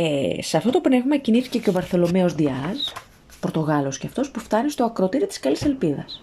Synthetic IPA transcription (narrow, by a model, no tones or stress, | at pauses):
eseɐft̪ot̪o̞pne̞vmɐciniθi̥ce̞ceo̞vɐɾθe̞lo̞meo̞zd̪iɐz | poɾt̪o̞ɣɐlosceɐft̪o̞spuft̪ɐnist̪o̞ɐkɾot̪iɾit̪i̥skɐlise̞lpiðɐ̰s